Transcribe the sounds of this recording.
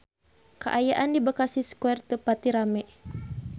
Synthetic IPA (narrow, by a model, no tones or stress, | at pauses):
kəʔajaʔandibakasiskuɛrt̪əpat̪iɾamɛʔ